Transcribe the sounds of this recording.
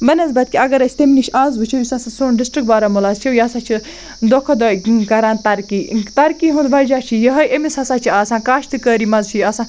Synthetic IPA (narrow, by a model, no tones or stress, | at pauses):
bɐnɐzbɐt̪̚kiɐɡɐɾɐsʰʲi̥t̪emnʲit͡ʃʰʔãːzʋut͡ʃʰijisɐsɐsoːnɖisʈɾikbaːɾamulaːzt͡ʃʰiwjɐːsaːt͡ʃʰi | d̪okʰɐd̪okɐɾãːnt̪ɐɾkiːt̪ɐɾkiɦũnd̪ʋɐd͡ʒaːt͡ʃʰijɐɦɐjemisɐsaːt͡ʃʰiaːsãːkaːʃt̪ʰɨkəːɾimɐzt͡ʃʰiɐsãː